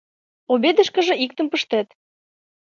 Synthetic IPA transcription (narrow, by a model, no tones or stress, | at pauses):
obed̪ə̆ʃkə̆ʒə̆ik̚t̪ə̆mpəʃt̪et̪